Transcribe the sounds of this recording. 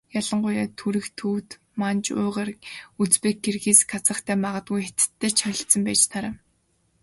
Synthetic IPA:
jaɮə̆ɴɢʊjaːt̪ʰuɾɘ̆xt̪ʰuːwt̪ | mant͡ɕʊ̰ːʁeːrut͡speːk̚ɡerɣiːsɡat͡sə̆χt̪ʰæːmaʁə̆t̪̚ɡujxet̪̆t̪ʰːeːt͡ɕʰœɾʲɪ̆ɬt̪t͡sə̆mpæːt͡ɕt̪ʰaɾaː

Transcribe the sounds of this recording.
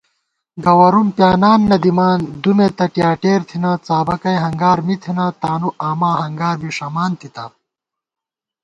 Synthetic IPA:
ɡɐwɐɾumpjaːnaːnːɐd̪imaːnd̪umet̪ɐʈijaːʈeːɾt̪ʰinat͡saːbɐkɐjɦɐŋɡaːɾmit̪ʰinat̪aːnuʔaːmaːhɐŋɡaːɾbiʂɐmaːnt̪ʰit̪ɐ

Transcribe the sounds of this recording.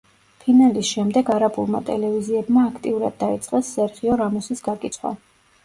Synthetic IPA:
pʰinalisʃɛmd̪ɛɡaɾabulˠma̰t̪ʼɛ̰lɛviziɛbmaːkʰt̪ʼiuɾa̰d̪̚ːait̪sʼqʼɛsːɛɾχiɔɾamusisɡaɾkʼit̪sʰχwa̰

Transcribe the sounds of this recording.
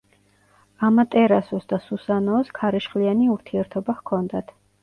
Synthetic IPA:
amat̪ʼɛɾasɔsd̪asusanɔːskʰaɾɛʃχlianiuɾt̪ʰiɛɾt̪ʰɔbaχkʰɔnd̪at̪ʰ

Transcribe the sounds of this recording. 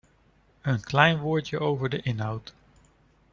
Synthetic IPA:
ənklɛjnʋʊːɹtjəʔowvəɹdəʔɪnɦɑwt

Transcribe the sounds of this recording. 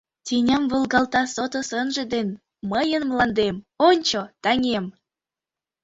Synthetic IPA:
t̪ʲenʲɑmvolˠɡɑlt̪ɑsot̪osənʒə̆d̪en | məjənmlɑnd̪emonʲt͡ɕot̪ɑŋem

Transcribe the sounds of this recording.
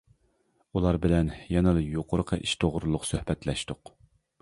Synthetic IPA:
ulˠɑɾbɪlɛnjɛnɨlɨjoqʰʊɾəqʰəʔiʃt̪ʰoʁɾulˠʊqsøhbɛt̪lɛʃt̪ʊq

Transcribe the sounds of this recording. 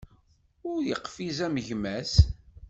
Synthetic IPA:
ʊɾjəqfizæməʝmæs

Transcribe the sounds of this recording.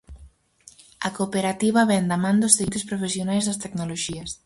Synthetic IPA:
ɐkopeɾat̪iβɐβɛnd̪amãnd̪ozðit̪espɾofesjonajzðɐst̪ɛknoloʒiɐs

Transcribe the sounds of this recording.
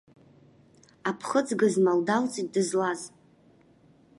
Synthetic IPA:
apʰχəd͡zɡɨzmaldalt͡sʼit̚dɨzlaz

